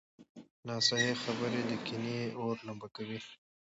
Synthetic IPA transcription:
nɑːsaɦexabəɾed̪əkineoɾlambakawi

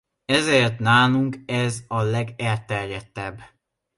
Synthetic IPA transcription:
ɛzeːrt̪naːluŋkɛzɒlɛɡɛlt̪ɛrjɛt̪ːɛbː

